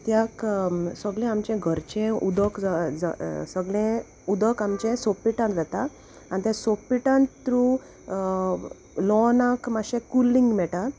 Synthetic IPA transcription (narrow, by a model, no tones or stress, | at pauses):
t̪jaksəɡɭɛ̃amt͡ɕɛ̃ɡʱəɾt͡ɕẽud̪əkd͡zad͡zasəɡɭẽ | ud̪əkamt͡ɕɛ̃sopːiʈãnʋɛt̪a | anit̪ɛ̃sopːiʈãnt̪ɾu | lɔnãkmaɕɛ̃kulːĩŋɡmɛʈa